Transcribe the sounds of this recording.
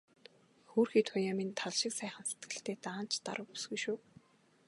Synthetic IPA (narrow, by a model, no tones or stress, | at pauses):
xoːrxiːt̪ʰʊjaːmint̪ʰaɮʃɪ̆ksæːχə̆nse̥t̪ɡɘ̆ɬt̪eːt̪aːn̥t͡ɕt̪a̰ɾə̆w̚pu̥sɣujʃuː